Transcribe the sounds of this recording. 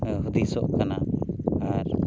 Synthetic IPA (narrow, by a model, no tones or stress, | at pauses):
ɦud̪isɔʔkanaaɾ